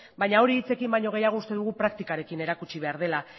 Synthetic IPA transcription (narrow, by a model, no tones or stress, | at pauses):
bajɲao̞ɾiːt͡se̞kimbajɲo̞ɣ̞e̞jaɣust̪e̞ðuɣ̞upɾak̚t̪ikaɾe̞kine̞ɾakut͡ʃiβ̞e̞aɾð̞e̞la